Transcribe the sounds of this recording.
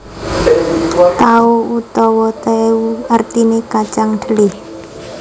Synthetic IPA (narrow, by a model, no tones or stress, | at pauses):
t̪auut̪ɔwɔt̪euart̪inekat͡ʃaŋɖ̪̥ə̤lɪh